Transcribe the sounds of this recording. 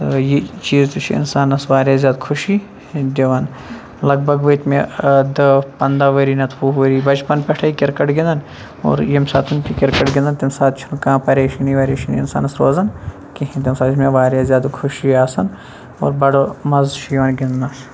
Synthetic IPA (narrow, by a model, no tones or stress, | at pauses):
t̪jit͡ʃiːzt̪ut͡ʃʰiɪ̰nsaːnɐsʋaːɾʲjaːzjaːd̪kʰʊʃiː | d̪ʲeʋɐn | lɐɡbʱɐɡʋɐt̪ʰmed̪ɐpɐnd̪aːʋɐɾiːnɐt̪ʰʋuːɦʋɐɾiːbɐt͡ʃpɐnpʲɛʈʰaikɪɾkɐʈɡĩnd̪ɐn | o̰ːɾjemsaːt̪ʰunt̪ʲikɪɾkɐʈɡʲɪ̃nd̪ɐnt̪imsaːt̪t͡ʃʰunkãːpɐɾeːʃiniʋaːɾeːʃinḭɪnsa̰ːnɐsɾoːzɐn | kiɦĩnt̪emsaːt̪t͡ʃʰmẽʋaːɾʲjaːzʲjaːd̪kʰʊʃiaːsɐn | o̰ːɾbɐɽomɐzʃʰiʋɐnɡʲind̪ɐ